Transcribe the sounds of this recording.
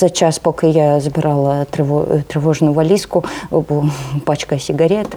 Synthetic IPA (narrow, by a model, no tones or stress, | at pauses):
zɐt͡ɕaspokəjazəbʲɪɾʔalˠət̪ɾʲɪvot̪ɾʲɪvo̞ʐnʊjʊvɐlʲiskʊbɨpat͡ɕkəsʲɪɡɐɾʲet̪